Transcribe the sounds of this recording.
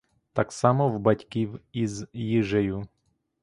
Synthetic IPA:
t̪ɑksɑmɔwbɐtʲkʲiwizjɪʒɛju

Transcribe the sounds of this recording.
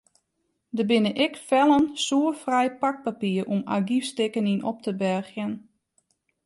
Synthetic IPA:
dəbɪnəʔɪkfɛlˠənsuəfrɛjpak̚papiərʔuma̰ɡifstɪkəninɔ̰p̚təbɛrxjən

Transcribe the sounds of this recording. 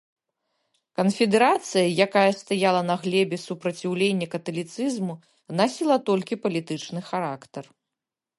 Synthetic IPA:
kɐnfʲɛd̪ɛɾat̪sɨjɐjakajɐst̪ajalˠɐnɐɣlʲɛbʲɛsupɾɐt͡sʲiwlʲenʲːɐkɐt̪ɐlʲit̪sɨzmu | nasʲilˠɐt̪ɔlʲkʲipɐlʲit̪ɨt͡ʂnɨxaɾakt̪ɐr

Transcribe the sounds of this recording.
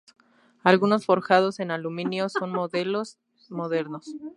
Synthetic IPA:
alɣuno̞sfo̞ɾxað̞o̞se̞nalumĩnjo̞so̞nmoðelos | mo̞ðe̞ɾnos

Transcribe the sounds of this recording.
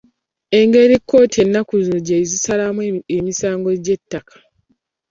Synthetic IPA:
e̞ŋɡe̞ɾikːo̞ːtie̞nːakuzɟezisalamemisaːŋɡo̞ɟe̞tːakḁ

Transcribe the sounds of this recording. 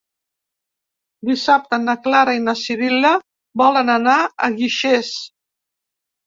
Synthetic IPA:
d̪isap̚t̪ənəklaɾainəsiβilə | bɔlənənaə̰ɣiʃes

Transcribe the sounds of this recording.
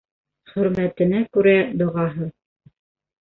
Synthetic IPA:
χɵ̆ɾmæt̪ɘ̆nækʉɾæd̪ŏʁɑɦɤ

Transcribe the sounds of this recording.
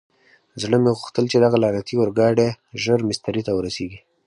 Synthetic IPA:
zɽəmeɣʊxt̪əlt͡ʃed̪aɣalɑnat̪iwəɾɡɑɽe | ʒəɾmɪst̪aɾit̪awəɾaseɡi

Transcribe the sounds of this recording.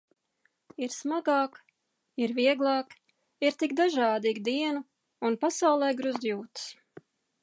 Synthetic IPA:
iɾsmaɡɑːk | iɾviɛɡlˠɑːk | iɾt̪ikd̪aʒɑːd̪iːɡd̪iɛnu | unpasawlˠɛːɡɾuzd̪juːt̪s

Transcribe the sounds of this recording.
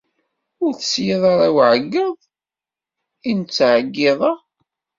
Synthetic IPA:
ʊɾθə̥sjiðˤɑɾˤæwʕəɡːəðˤ | int͡sːʕəɡːɪðˤɑ

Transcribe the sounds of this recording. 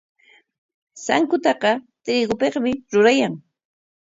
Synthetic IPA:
sa̰ŋkʊt̪ɑqɑ | t̪ɾiːɡʊpeχmɪɾʊɾajaŋ

